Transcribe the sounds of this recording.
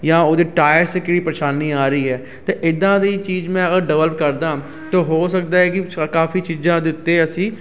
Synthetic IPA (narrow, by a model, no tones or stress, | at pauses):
jãːoːd̪eːʈaːjəɾskɪɽiːpɾəʃaːniːaːɾəiːɦɛː | t̪eːʔɪd̪ãːd̪iːt͡ʃiːd͡ʒmɛ̃ːəɖəʋələkəɾd̪ãː | t̪õːɦoːsək̚d̪aːɛːkɪkaːfiːt͡ʃiːzãːd̪ɪt̪ːeːəsĩː